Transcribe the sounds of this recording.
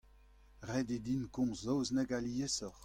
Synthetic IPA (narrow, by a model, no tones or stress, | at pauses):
ʁɛded̪inkɔ̃zːɔwzneɡaliesɔχ